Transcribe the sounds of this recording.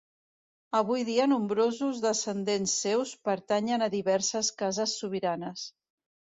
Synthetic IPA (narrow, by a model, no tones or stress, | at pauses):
əβ̞ujðiənumbɾozuzðəsənd̪ensːewspəɾt̪aɲənəðiβɛɾsəskazəsːuβ̞iɾanəs